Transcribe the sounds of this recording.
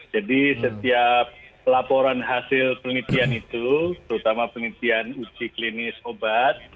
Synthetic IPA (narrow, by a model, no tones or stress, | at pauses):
d͡ʒadisət̪iap̚lapoɾanɦasɪlpəlit̪ianit̪ut̪əɾut̪amapənit̪ianut͡ʃiklinɪsobat̪̚